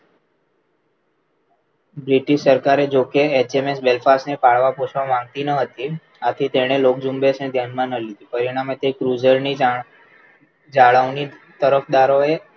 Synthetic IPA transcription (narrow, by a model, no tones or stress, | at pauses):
bɾiʈiʃsəɾkaɾed͡ʒokeet͡ʃemesbelfasnepaɭʋapot͡ʃʰʋamãŋɡ̚t̪inəɦət̪i | at̪ʰit̪eɽ̃elok̚d͡ʒumbesned̪ʱjanmãnəlid̪ipəɾiɽ̃amet̪ekɾud͡ʒəɾni | d͡ʒaɭaʋnit̪əɾəfʰd̪aɾoe